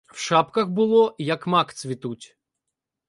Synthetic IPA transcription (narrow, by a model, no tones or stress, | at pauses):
w̥ʃɑpkɐxbʊlˠɔjɐkmɑkt̪sʲʋʲit̪utʲ